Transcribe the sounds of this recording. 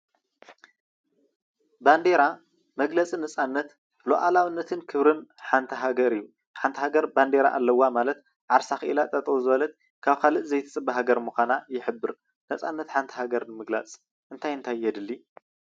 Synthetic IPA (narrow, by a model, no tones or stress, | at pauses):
band̪eɾa | mɐɡlɐt͡sʼinɐt͡sʼanːɐt̪ | loʔalawɨnːɐt̪ʰɨnkʰɨβɾɨnħant̪ʰɐɦaɡɐɾijːu | ħant̪ʰɐhaɡɐɾband̪eɾa̰ʔalːɐwːamalɐt̪ | ʕaɾsaxɨʔilat̪ʼɐt̪ʼwuzɨβɐlɐt̪̚ | kʰaβkʰalɨʔzɐjt̪ʰɨt͡sʼɨbɐɦaɡɐɾmuxʷanajɪħɨbːɨɾ | nɐt͡sʼanːɐt̪ħant̪ʰɐ̥ɦaɡɐɾnɨmɨɡla̰t͡sʼ | ʔɨnt̪ʰajɨnt̪ʰajjɛd̪ɨlːi